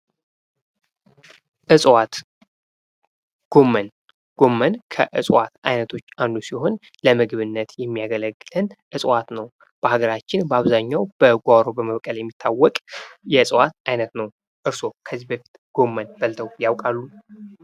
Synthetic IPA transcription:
ʔɨsʼwat̪ | ɡ̥o̞mːən | ɡ̥o̞mːənkʰə̰ʔɨsʼwa̰t̪ajnət̪ʰo̞t͡ʃːand̪usiho̞n | ləmɨɡβɨnːət̪jɛmːijaɡələɡːɨlənʔɨsʼwat̪nəw | b̥əhaɡəɾat͡ʃːɪnbəaβzaɲːawb̥əɡʷaɾo̞bəməβkʼəljɛmːit̪ʰːawːɔkʼjɛɨsʼwat̪ajnət̪nəw | ʔɨɾso̞kʰəzibəfi̥t̪ʼɡ̥o̞mːənb̥əlt̪ʰəwjawkʼalːu

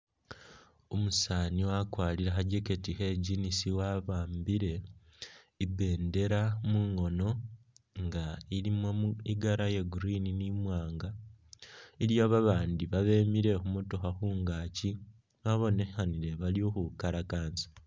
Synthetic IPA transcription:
omusaːniwakwaːliɾaxaɟeketixeɟinisiwaβaːmbiɾe̞ | ibe̞ːnde̞ɾamuːŋo̞no̞ | ŋɡailimwomuiɡaɾajeɡuɾininimwaːŋɡa | iɾjaːβaβaːndiβaβe̞ːmiɾe̞xumoto̞xaxuːŋɡaːci | βaβo̞ne̞xaniɾe̞βaljo̞xukaɾakaːnzḁ

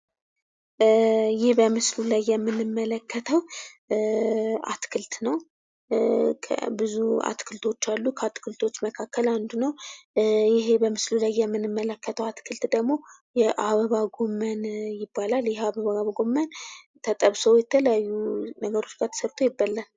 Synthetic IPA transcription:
jɪhbəmɨslulajːɛmːɨnɨmːələkʰːət̪ʰəw | ʔa̰t̪kʰɨlt̪nəw | kʰə̰bɨzua̰t̪kʰɨlt̪ʰo̞t͡ʃːalːukʰəat̪kʰɨlt̪ʰo̞t͡ʃːməkʰakːəland̪unəw | jɪɦebəmɨslulajːɛmːɨnɨmːələkːət̪ʰəwat̪kʰɨlt̪d̪əɡmo̞ | jɛʔaβəβaɡo̞mːənjɪbːalaljɪhaβəβaaβɡo̞mːən | t̪ʰət̪ʼəβsəwjɛt̪ʰələjajːunəɡəɾo̞t͡ʃːɡat̪ʰə̥səβt̪ʰo̞jɪbːalːən

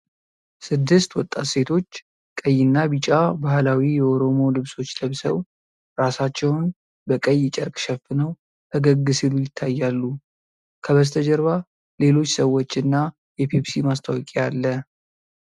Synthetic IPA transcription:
sɨd̪ːɨst̪wɔt̪ʼːa̰t̪se̞t̪ʰo̞t͡ʃː | kʼəjːɪnːabit͡ʃʼabahlawijɛoɾo̞mo̞lɨβso̞t͡ʃːləβsə̰w | ɾasat͡ʃːɛwn | bəkʼəjːt͡ʃʼɛɾkʼʃɛfɨnəw | əɡəɡːɨsɨlujɪt̪ʰːajːalːu | kʰəβəst̪ʰəd͡ʒəɾβa | le̞lo̞t͡ʃːsəwːot͡ʃːɨnːa | jɛpʰepsimast̪ʰawkʼealːə

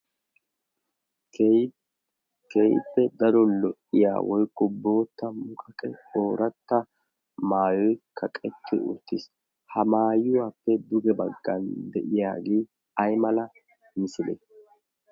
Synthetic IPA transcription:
k | kɛjpːɛd̪ɐɾɔlɔʔɪja̰ːwɔjkːɔbːo̞ːt̪ːɐmʊkɐkʼɛoːɾɐt̪ːɐ | maːjɔjkʰɐkʼɛt̪ʰːɪ̰ʊ̰t̪ːɪs | hɐmaːjʊwaːpːɛd̪ʊɡɛbɐɡːɐnd̪ɛʔɪja̰ːɡeː | ɐjmɐlɐ | nɪsʊlḛ

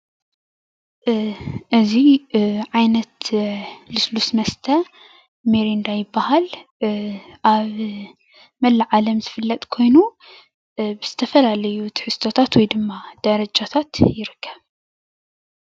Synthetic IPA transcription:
ʔɨziʕajnɐt̪ | lɨslusmɐst̪ʰɐ | meɾind̪ajɪbːahal | ʔaβ | mɐlːaʕalɐmzɨfɨlːɐt̪ʼkʰo̞jnu | bɨz̥ɨt̪ʰɐfɐlalɐjut̪ʰi̥ħɨst̪ʰot̪ʰat̪wɔjd̪ɨmːad̪̥ɐɾɐd͡ʒat̪ʰat̪jɪɾɨkʰːɐβ

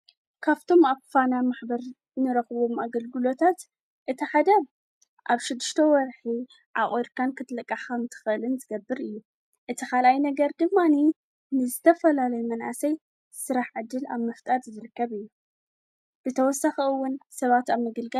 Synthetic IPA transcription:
kʰaβt̪ʰo̞maβkɨ̥fanamaħbɐɾ | nɨɾɐxɨβo̞maɡɐlɡɨlo̞t̪ʰat̪ | ʔɨt̪ʰiħad̪ɐ | ʔaβʃɪd̪ːɨʃt̪ʰɐwɔɾħi | ʕaʔʼiɾkʰankʰɨt̪ʰlɐkʼːaħxɐmt̪ʰɨ̥xɨʔɨlɨnzɨɡɐbːɨɾɨjːu | ʔɨt̪ʰixalʔajnɐɡɐɾd̪ɨmːani | nɨzɨt̪ʰɐfɐlalɐjumɐnʔa̰sɐj | sɨɾaħʕɨd̪ːɨla̰βmɐft̪ʼat̪zɨɾɨkːɐβɨjːu | b̥ɨt̪ʰɐwɔsaxɐɨwːʊnsɐβat̪aβmɨɡɨlɡa

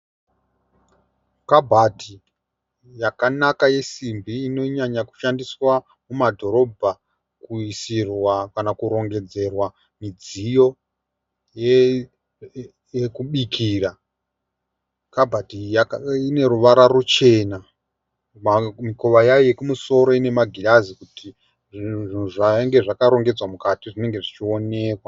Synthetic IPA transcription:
kabʱatʰi | jakanakaje̞simbiːno̞ɲaɲaku̥ʃandiswa | mumadʱo̞ɾo̞bʱa | kuisirwakanakuɾo̞ŋɡe̞d͡ze̞rwa | mid͡zijo̞ | je | jekuɓikʰiːra | kabʱadijakine̞ɾuʋaɾaɾut͡ʃe̞ːna | mmiko̞ʋajajojekumuso̞ɾo̞ine̞maɡʱilazikutʰi | ʐʐin̤uʐaŋɡe̞ʐakaɾo̞ŋɡe̞d͡zwamukatiʐine̞ŋɡe̞ʐit͡ʃio̞ne̞ːkwa

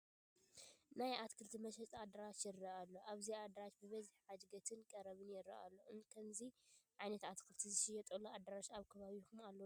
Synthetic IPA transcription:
najʔat̪kʰɨlt̪ʰimɐʃɐt͡sʼad̪ɐɾat͡ʃjɪɾːɐʔalːoʔaβziad̪ɾat͡ʃbɨβɐziħħad͡ʒɡɐt̪ʰɨnkʼɐɾɐβɨnjɪɾɐ̰ʔa̰lːoɨnkʰɐmziʕajnɐt̪at̪kʰɨlt̪ʰizɨʃɪjɐt̪ʼuload̪ɐɾaʃaβkʰɐβaβixumalːɐ

